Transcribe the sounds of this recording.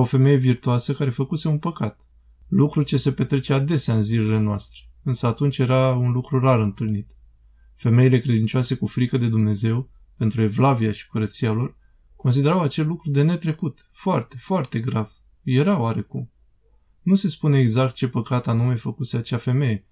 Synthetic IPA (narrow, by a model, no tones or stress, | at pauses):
ofe̞me̞je̞virt̪uasəkaɾe̞fəkuse̞unpəkat̪ | lukɾut͡ʃe̞se̞pe̞t̪ɾe̞t͡ʃead̪e̞seaɨnzile̞le̞noast̪ɾeɨnsəat̪unt͡ʃʲje̞ɾaunlukɾuraɾɨnt̪ɨlnit̪ | fe̞me̞ile̞kɾed̪int͡ʃoase̞kufɾikəd̪e̞d̪umne̞ze̞w | pe̞nt̪ɾue̞vlavijaʃi̥kuɾət̪sialo̞r | ko̞ns̬id̪e̞ɾawat͡ʃe̞lːukɾud̪e̞ne̞t̪ɾe̞kut̪ | foart̪e̞foart̪e̞ɡɾav | je̞ɾaoaɾe̞kum | nuse̞spune̞ːɡzak̚t̪̚t͡ʃe̞pəkat̪anume̞fəkuse̞at͡ʃafe̞me̞je̞